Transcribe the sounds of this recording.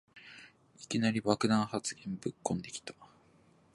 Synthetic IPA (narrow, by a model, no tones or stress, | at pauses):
ikʲinaɾʲiβakɯ̟d̪ãɰ̃hat͡sɨɡẽ̞mbɯ̟kːõ̞nd̪e̞kʲi̥t̪ḁ